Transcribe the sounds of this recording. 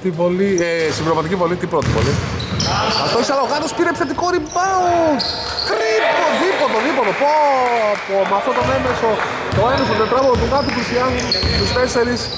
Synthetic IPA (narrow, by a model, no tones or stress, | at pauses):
t̪ivoliesibiɾomɐt̪icivo̞lit̪ipɾot̪ivo̰li | ɐft̪oisɐloɣɐt̪ospiɾepsɐt̪ikoɾibɐu | kɾit̪oðipot̪oðipot̪opopomɐft̪ot̪omemeso | t̪oenɐsot̪et̪ɾɐvoðopukɐt̪uplisiɐzunt̪ist̪e̞se̞ɾis